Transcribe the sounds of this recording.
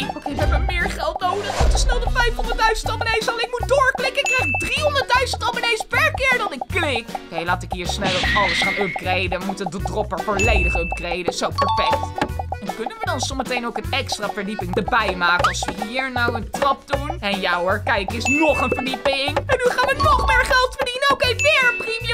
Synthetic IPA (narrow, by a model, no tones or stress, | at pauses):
okejʋəɦɛbʋəmɪːɹχɛlˠtnowdəχutəsnɛlˠdəfɛjfɦondəɹt̚dœɥzəntɑbənejsɑlˠnɪk̚mut̚dʊːɹklɪkəɪkːrajχɪk̚driɦɔndəɹt̚dœɥzə̃ntɑmənejspɛɹkɪːɹdɑnɪkːlɪkokejlaːtɪkɦiːɹsnɛlˠɑləsχaːnɔp̚krejdəmutədədrɔpəɹfoːɹlejdəχøp̚krejdəsowpəɹfɛk̚tɛnkɵnənʋədɑnsomətejnowkənɛkstraːvəɹdipɪŋdəbɛjmaːkənɑlˠsʋəɦiːɹnɔwəntrɑp̚dunɛnjawəɹkɛjkɪsnoχənvəɹdipɪŋɛnːyχaːnʋənoχmɪːɹχɛlˠtfəɹdinəowkeʋɪːɹəprim